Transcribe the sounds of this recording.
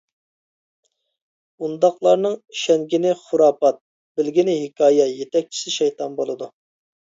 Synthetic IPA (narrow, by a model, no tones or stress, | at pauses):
und̪ɑqlˠɑɾnɨŋʃɛŋɡʲinɪχʊɾɑːpɑt̪̚ | bɪlɡʲinɪɦɪkʰɑːjɛjet̪ɛk̚ʲt͡ʃʰi̥sɪʃɛjt̪ʰɑnbolˠɨd̪u